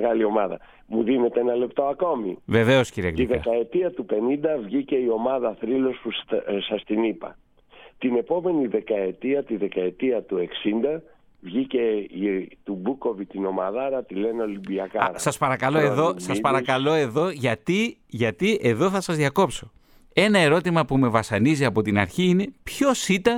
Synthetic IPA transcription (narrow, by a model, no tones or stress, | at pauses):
ɣɐlio̞mɐðɐ̰ | muðine̞t̪eenɐle̞p̚t̪o̞ɐko̞mḭve̞ve̞o̞sciɾiek̪iðekɐe̞t̪iɐt̪upe̞nind̪ɐvʝice̞io̞mɐðɐθɾilo̞susɐst̪inipɐ̰ | t̪ine̞po̞me̞niðe̞kɐe̞t̪iɐt̪iðe̞kɐe̞t̪iɐt̪ue̞ksind̪ɐ | vʝice̞it̪ubuko̞vit̪ino̞mɐðɐɾɐt̪ile̞no̞limbiɐkɐ̰ɾɐsɐspɐɾɐkɐloeðo̞sɐspɐɾɐkɐllo̞e̞ðo̞ʝɐt̪iʝɐt̪ie̞ðo̞θɐsɐzðʝɐko̞pso̞ | e̞nɐe̞ɾo̞t̪imɐpume̞vɐsɐniziɐpo̞t̪inɐɾçiine̞pço̞sit̪ɐn